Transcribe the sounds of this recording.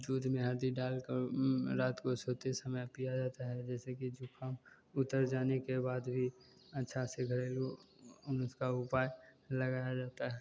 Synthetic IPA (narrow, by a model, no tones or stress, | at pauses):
d͡ʒuːd̪mẽɦəɾd̪iɖaːlkəɾɾaːt̪kosoːt̪esəməjpijad͡ʒaːt̪aɦɛd͡ʒɛːsekid͡ʒʊkʰaːm | ʊt̪əɾd͡ʒaːnekebaːd̪bʱi | ɐtːʃʰaseɡʱəɾeːlo | ʊnʊskaʊpaːjləɡaːjad͡ʒaːt̪aɦɛ